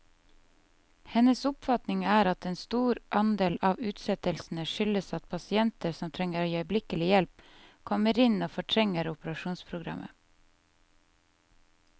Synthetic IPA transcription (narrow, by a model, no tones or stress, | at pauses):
hɛnəsʊpfɑt̪nɪŋæːɾɑt̪eːnst̪uːɾʔɑnd̪eːlɑːʋʉːt̪sɛt̪əlsn̩əʃʏləsɑt̪̚pʰɑsɪɛnt̪əɾsɔmt̪ʰɾɛŋəɾoːjiœʏblɪkəlɪjɛlp̚kʰɔməɾɪnoːfɔʈʰɾɛŋəɾʊpəɾɑʃuːnspʰɾʊɡɾɑ̰mʔə̰